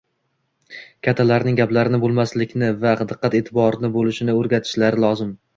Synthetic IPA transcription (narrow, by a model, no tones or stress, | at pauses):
kʲʰat̪ʰːalaɾnɪŋɡʲaplaɾɪnɪbolˠmaslɪkʲnɪvaqɨd̪ɨqːɑt̪e̞ːt̪ʰɪbɒɾnɪbolɪʃɪnɪoɾɡʲat̪ʰɪ̥ʃlaɾɪlˠɒzɪm